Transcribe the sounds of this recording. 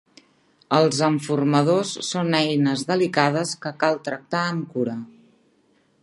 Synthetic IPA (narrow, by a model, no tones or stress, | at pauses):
əlˠzəɱfurməð̞osːonɛjnəzðəlikað̞əskəkalˠt̪ɾək̚t̪aəŋkuɾə